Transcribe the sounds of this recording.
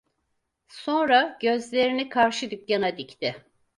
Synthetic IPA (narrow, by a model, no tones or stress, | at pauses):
so̞nɾaɟø̞zlʲe̞ɾinikʰaɾʃɯd̪ycːanad̪ict̪ʰɪ